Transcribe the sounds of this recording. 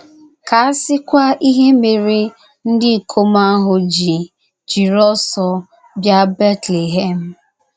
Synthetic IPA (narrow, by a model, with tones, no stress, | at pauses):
ka˨a˦sɪ˦kʷa˦ʔi˦ɦe˦me˨ɾi˦ | n̩˦dɪ˦˨kʰo˦ma˦ɦʊ˨d͡ʒi˨ | d͡ʒi˨ɾɔ˦sɔ˨ | bja˦be˦tle˨ɦe˦m̩˨